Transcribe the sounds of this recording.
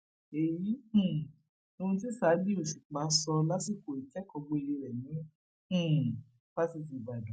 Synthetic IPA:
e˨jĩ˨˦˨ | o˧ũ˧t̬i˦sa˨˦di˦o˨ʃi˨k͡pa˨˦sɔ˧la˦si˦˨ko˨i˨kɛ˦kɔ˧ɡ͡bo˧i˧ji˧ɾɛ˨nĩ˨˦˨ | ba˦si˦˧˨ti˨ba˨du˨˦

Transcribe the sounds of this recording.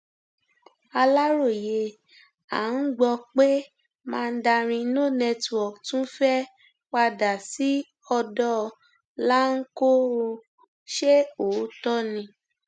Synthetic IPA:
a˧la˦ɾo˦˨je˨ | a̰˨n̩˦ɡ͡bɔ˧k͡pe˦ | mãː˦˧n̩˦da˧ɾ̃ĩ˧˦no˦˨nɛ̃˧tu˧˨ɔ˨tũ˦fɛ˦ | k͡pa˧da˨si˨˦ | ɔ˧dɔ˦ | la˦ŋ̩˦ko˦˧ | ʃe˦o˨˦tɔ˦nĩ˧

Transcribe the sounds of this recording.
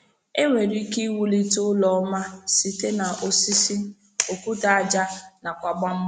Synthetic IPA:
e˦ŋʷe˨ɾi˦ki˦wu˦li˦tʊ˦lɔ˦ma˦si˨te˦na˨ʔo˨si˦si˦ | o˨kʷu˦ta˨a˦d͡ʒa˦na˨kʷa˨ɡ͡ba˦m̩˦

